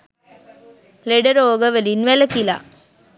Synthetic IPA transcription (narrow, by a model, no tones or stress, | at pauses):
leɖəɾoːɡəʋelinʋeləkila̰